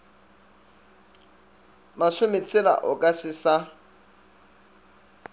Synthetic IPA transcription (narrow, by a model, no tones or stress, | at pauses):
maʃʊmɪt͡sʰʼɪla̰ʔʊkʼasɪsa